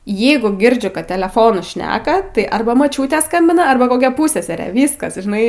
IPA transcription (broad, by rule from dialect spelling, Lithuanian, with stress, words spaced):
ˈjɛɪɡʊ ˈɡʲɪrʲd͡ʒʲʊ kɐt tʲɛlʲɛˈfoːnʊ ˈʃʲnʲæːkɐ tɐɪ ˈɐrbɐ moːˈt͡ʃʲuːtʲeː ˈskɐmʲbʲɪnɐ ˈɐrbɐ koːˈkʲɛ ˈpuːsʲsʲɛsʲɛrʲeː ˈʋʲiːskɐs ʒʲɪˈnɐɪ